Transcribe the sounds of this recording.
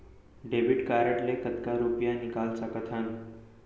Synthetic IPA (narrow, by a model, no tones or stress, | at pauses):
ɖebiɖkaɾəʈlekət̪kaɾupjanikalsəkət̪ʰan